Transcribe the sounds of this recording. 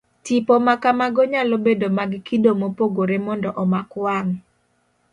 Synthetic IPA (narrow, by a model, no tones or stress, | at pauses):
tipomakamaɡoɲalobedomaɡkidomopoɡoɾemɔndɔʔɔmakwaŋ